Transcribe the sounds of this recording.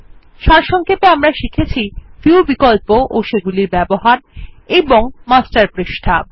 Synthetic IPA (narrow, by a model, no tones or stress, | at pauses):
ʃaɾʃɔŋkʰepeamɾaʃikʰet͡ɕʰifiubikolpoʔoʃeɡuliɾbɛboɦaɾeboŋmasʈaɾpɾeʃʈʰab̚